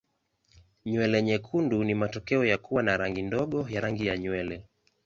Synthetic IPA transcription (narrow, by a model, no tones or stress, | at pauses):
ɲwɛlɛɲɛkʰundunimatɔkɛɔjakuwanaɾaŋɡindɔɠɔjaɾaŋɡijaɲwɛlɛ